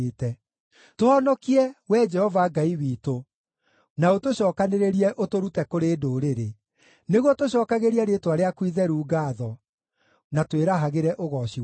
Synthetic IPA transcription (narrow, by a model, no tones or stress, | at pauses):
tɛ | toɔnɔkiɛwɛd͡ʒɛhɔvaɡaiwiːto | naotoɕɔːkaneɾeɾiɛʔotoɾutɛkoɾeːdoɾeɾe | neɣwɔtoɕɔːkaɣeɾiaɾetwaɾeakwiðɛɾuːɡaðɔ | natweɾaɦaɣeɾɛʔoɣɔɕi